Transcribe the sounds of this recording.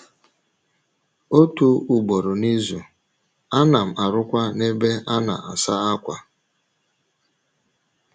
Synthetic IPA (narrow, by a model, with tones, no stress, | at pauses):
o˦tu˨u˨ɡ͡bo˨ɾʊ˨ni˦zu˨ | a˦na˨m̩˨a˨ɾʊ˦kʷa˦ne˦be˦a˦na̰˨a˨sa˦a˦kʷa˨